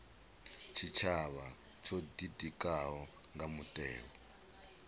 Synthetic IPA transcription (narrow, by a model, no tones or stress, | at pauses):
t͡ʃʰit͡ʃʰaβa | t͡ʃʰodidikʼaɦɔŋɡamutʼɛ̰ːβɔ